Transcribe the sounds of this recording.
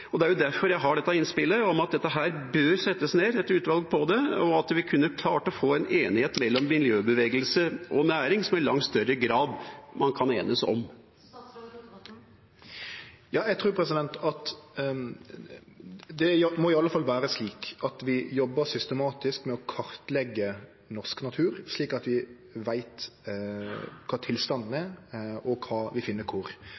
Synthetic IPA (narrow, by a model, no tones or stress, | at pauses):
ɔd̪ɛæɾjʊd̪æɾfɔɾjæɪɦɑɖɛt̪ːɑɪnspɪlːəɔmɑt̪̚d̪ɛt̪ːəɦæːɾbøːɾsɛt̪ːəsneːɾɛt̪ʉːt̪ʋɑlɡ̚pʰɔd̪ɛɔɑt̪ʋɪkʰʉnːəkʰlɑːʈɔfoːɛneːnɪheːt̪mɛlːɔmːɪljøːbəʋeːɡəlsəʔɔnæːɾɪŋsɔmɪɾlɑ̰ŋt̪st̪œɾəɡɾɑːd̪mʔɑnkʰɑneːnəsɔ̰m | jɑːjæɡt̪ʰɾʉːɾpʰɾɛsɪd̪ɛnt̪ɑt̪ | d̪ɛjmɔɪɑlːəfɑlʋæːɾəsliːkɑt̪ʋɪjɔbːəsʏst̪əmɑːt̪ɪskmɛɔkʰɑɾt̪lɛɡːə | nɔsknɑt̪ʰʉːɾsliːkɑt̪ʋɪ | ʋæɪt̪ | kʰɑːt̪ʰɪlst̪ɑnd̪n̩æɾɔkʰɑːʋɪfɪnːəkʰʊɾ